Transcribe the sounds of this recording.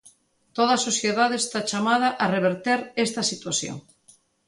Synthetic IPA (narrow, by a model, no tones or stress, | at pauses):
t̪oð̞ɐasosθjeðaðest̪at͡ʃamað̞ɐʔareβ̞eɾt̪eɾest̪ɐsit̪wasjo̰ŋ